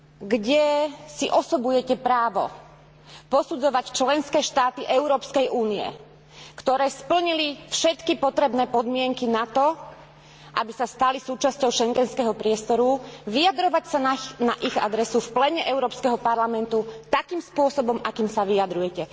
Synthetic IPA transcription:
ɡɟɛsiʔɔsɔbujɛcɛpɾaːʋɔ̰ | pɔsud͡zɔʋact͡ʃlɛnskɛːʃt̪aːt̪iʔɛʊɾɔːpskɛjʔuːniɛ̰ | kt̪ɔɾɛːspl̩ɲilifʃɛt̪kipɔt̪ɾɛbnɛːpɔd̪mɪɛŋkinat̪ɔ | ʔabisast̪alisuːt͡ʃascɔʊʃɛŋɡɛnskɛɦɔpɾɪɛst̪ɔɾuʋijad̪ɾɔʋacsananaʔiɣa̰d̪ɾɛsufplɛɲɛʔɛʊɾɔːpskɛɦɔpaɾlamɛnt̪ut̪akiːmspʊɔsɔbɔmakiːmsaʋijad̪ɾujɛcɛ

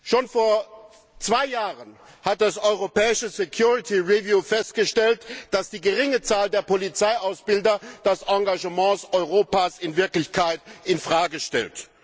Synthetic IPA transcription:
ʃoːnfoːɐ | t͡sv̥aɪjaːʁən | hat̚d̥asʔɔʏʁopɛːɪʃəsekʰjuːʁɪtʰiʁivjuːfɛst̚ɡ̥əʃtɛltd̥asd̥iːɡəʁɪŋət͡saːldeːɐpʰolit͡saɪʔaʊsb̥ɪldɐd̥asʔɑ̃ŋɡaʒəmɑ̃ːsʔɔʏʁoːpaːsɪnvɪɐklɪçkʰaɪtɪnfʁ̥aːɡəʃtɛ̰lt

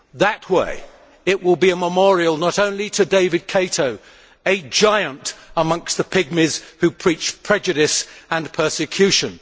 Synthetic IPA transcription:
ðət̚wḛɪ | ɪʔwɪlˠbiəməmɔɹiəlˠnəɾõʊ̃nliɾʰɨdeɪvɨd̚kʰeɪɾoʊ | ɨd͡ʒaɪə̃ntəmʌ̃ŋkst̪̚ðəpʰɪɡ̚mɪz̥hʉpʰɹ̥it͡ʃpʰɹ̥ɛd͡ʒɨɾɪsə̃npʰɜ˞sɨkʰj̥ʉʃɨ̃n

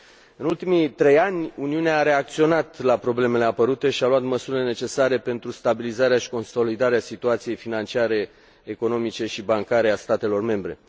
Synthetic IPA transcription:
ɨnult̪imit̪ɾe̞janʲuniuneaːɾe̞ak̚t̪sio̞nat̪lapɾo̞ble̞me̞le̞apəɾut̪e̞ʃialuat̪məsuɾilene̞t͡ʃe̞saɾe̞pe̞nt̪ɾust̪abilizaɾeaʃi̥ko̞nso̞lid̪aɾeasit̪uat̪sije̞jfinant͡ʃiaɾe̞ː | ko̞no̞mit͡ʃe̞ʃibaŋkaɾe̞ast̪at̪e̞lo̞rme̞mbɾe̞̰

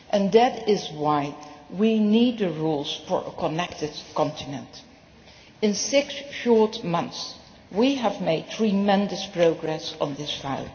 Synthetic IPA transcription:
ʔɨ̃nðɨɾɪzwaɪwinid̚ðɨɹulˠz̥fə̰ɹʔə̰kʰənɛk̚tɨd̥̚kʰɑ̃ntʰɪnə̃nt | ɪ̃nsɪksʃɔɹtmʌ̃nθs | wiəvmeɪd̚tʰɹimɛ̃ndɨspɹ̥oʊɡɹɛsn̩ðɪsfa̰ɪlˠ

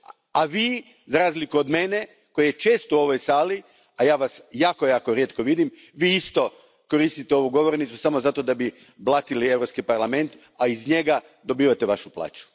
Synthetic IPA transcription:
aʋiː | zaɾaːzlikuod̪me̞ne̞ | ko̞jajet͡ʃe̞ːst̪uo̞ʋo̞jsaːli | ajaːʋasjaːko̞jaːko̞ɾjet̪ko̞ʋid̪imʋiːist̪o̞ | ko̞ɾiːst̪it̪eo̞ʋuɡo̞ʋoɾnit̪susamozat̪o̞d̪abi | blˠat̪ilievɾopskipaɾlˠame̞nt̪ | aizɲe̞ɡa | d̪o̞biːʋat̪eʋaʃuplˠa̰ːt͡ʃu̥

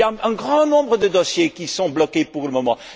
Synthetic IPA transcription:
jaɛ̃ɡʁɑ̃nɔ̃bʁəd̪əd̪ɔsjekʲisɔ̃blɔkepuʁləmɔmɑ̃

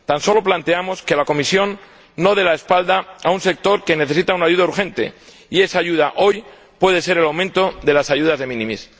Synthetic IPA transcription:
t̪anso̞lo̞plant̪eamo̞ske̞lako̞misjo̞nː | o̞ð̞e̞lae̞spald̪aaunse̞k̚t̪o̞ɾke̞ne̞θe̞sit̪aunaʝuðauɾxẽ̞nt̪e̞̰ | ie̞saːʝuð̞aʔo̞j | pwe̞ð̞e̞se̞ɾelawmẽnt̪o̞ðe̞lasaʝuð̞azðe̞mĩnĩmis

